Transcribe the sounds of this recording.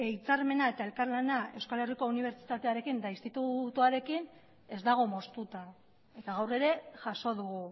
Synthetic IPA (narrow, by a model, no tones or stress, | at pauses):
e̞jt͡saɾme̞nae̞t̪ae̞lkarlanae̞wskale̞riko̞uniβ̞e̞ɾt͡ʃi̥t̪at̪e̞aɾe̞kind̪ainst̪it̪ut̪uaɾe̞kin | e̞zd̪aɣ̞o̞mo̞st̪ut̪a | e̞t̪aɣ̞awre̞ɾe̞ʝaʃo̞ðuɣu